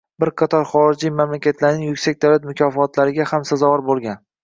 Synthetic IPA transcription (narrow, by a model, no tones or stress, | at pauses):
bɪɾqʰɑt̪ʰɒɾχɒɾɪd͡ʒimamlakʲʰat̪ʰlaɾnɪŋjʊkʲsak̚ʲd̪awlat̪mʊkʲʰɒfɒt̪ʰlaɾɪɡʲahamsazɒvɒɾbolˠɡʲan